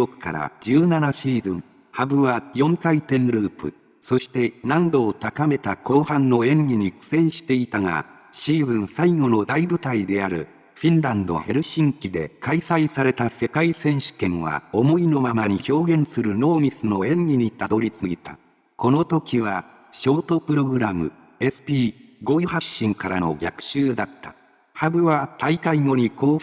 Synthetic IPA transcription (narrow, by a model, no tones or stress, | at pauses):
okɯ̟̥ka̰ɾa̰d͡ʑɨːnanaɕiːzɨ̃ŋ | habɯ̟βajõ̞ŋkait̪ẽ̞nɾɯ̟ːpɯ̟̰ | so̞ɕi̥t̪e̞nãnd̪o̞ːt̪akame̞t̪ako̞ːhãnːo̞ẽ̞ŋɡʲiɲ̟ikɯ̟̥sẽ̞ɰ̃ɕi̥t̪e̞it̪aŋa̰ | ɕiːzɨ̃ɰ̃saiɡo̞no̞d̪aibɯ̟t̪aid̪e̞aɾɯ̟̰ | ɸʲĩnɾãnd̪o̞̰he̞ɾɯ̟ɕĩŋkʲid̪e̞kaisaisaɾe̞t̪ase̞kaisẽ̞ɰ̃ɕɨ̥kẽ̞ɰ̃βa̰o̞mo̞ino̞mamaɲ̟iço̞ːɡẽ̞ɰ̃sɨɾɯ̟no̞ːmʲisɨno̞ẽ̞ŋɡʲiɲ̟it̪ad̪o̞ɾʲit͡sɨɡʲit̪a̰ | ko̞no̞t̪o̞kʲiβa | ɕo̞ːt̪o̞pɯ̟ɾo̞ɡɯ̟ɾamɯ̟ | e̞sɨ̥pʲiːɡo̞ihaɕːĩŋkaɾano̞̰ɡʲa̰kɯ̟̥ɕɨːd̪at̪ːḁ | habɯ̟βat̪aikaiŋo̞ɲ̟iko̞ː